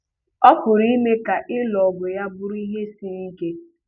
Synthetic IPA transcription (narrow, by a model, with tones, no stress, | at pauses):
ɔ˦fʊ˨ɾi˦me˦ka˨ʔɪ˦lɔ˨bʊ˨ja˦bʊ˦ɾi˦ɦe˦si˦ni˦ke˦